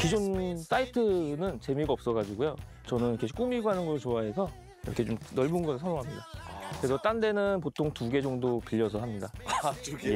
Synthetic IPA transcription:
kid͡ʑons͈aitʰɯnɯnt͡ɕe̞miɡaʌp̚s͈ʌɣad͡ʑiɡojo | t͡ɕʌnɯnkʰeɕʰi̥k͈umiɡoɦanɯnɡʌt͡ɕoaɦe̞sʰʌ | iɾʌkʰe̞t͡ɕomnʌɭbunɡʌsɯɭsʰʌnoŋɦamɲidakɯɾe̞sʰʌt͈ande̞nɯnp̬otʰoŋtuɡe̞d͡ʑʌŋdopiʎːʌsʰʌɦamɲida | e

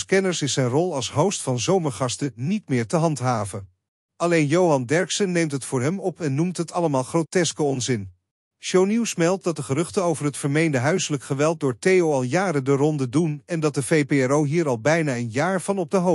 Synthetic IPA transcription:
skɛnəɹsɪsɛjnrɔlˠɑlˠsɦowstfɑnzowməɹχɑstənitmɪːɹtəɦɑntɦaːvən | ɑlejnjowɦɑndɛɹksənːejmtɦətfʊːɹɦɛmɔpɛnːumtɦətɑləmaːlˠχrowtɛskəɔnzɪn | ʃownuwsmɛlˠt̚dɑt̚dəχərɵχtəowvərɦətfəɹmejndəɦœɥsələkχəʋɛlˠt̚dʊːɹtejowɑlˠjaːɾədərɔndədunɛndɑt̚dəvejpeɛɹowɦiːɹɑlˠbɛjnaːənjaːɹv̥ɑnɔb̚dəɦo

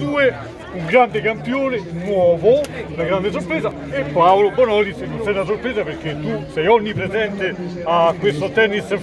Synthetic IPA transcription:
uːe | uŋɡɾand̪ɪkampjoːnenwɔːvounaɡɾand̪es̬oɾpɾɛːza | epːawlobonɔlisnːonsɛnasoɾpɾeːzapeɾk̟et̪ːusɛjɔɲːipɾezɛnt̪eakwest̪ot̪ɛnːis

